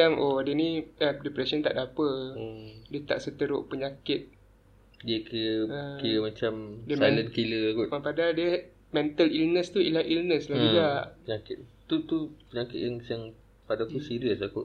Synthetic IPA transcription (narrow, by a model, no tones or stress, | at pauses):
aŋʔodənĩədɛpɾɛsənt̪a̰ʔdapə | diət̪a̰ʔsət̪əɾʊʔpəɲakɪt̪̚ | diəkiəəkiləmat͡ʃamdiəmɛ̃lət̪kiləkukapadadiə | mɛnt̪əlilnəst̪uḭlaʔilnəslad͡ʒuɡaʔpəɲakɪt̪̚t̪ut̪upəɲakɪt̪̚jaŋsaŋ | padakusiɾəsakuʔ